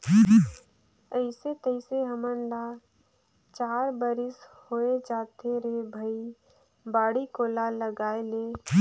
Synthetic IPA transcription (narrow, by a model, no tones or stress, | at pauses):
əɪset̪əɪseɦəmənla | t͡ʃaːɾbəɾɪshoːed͡ʒaːt̪eɾebʱəi | baːɽikoːlaləɡaːele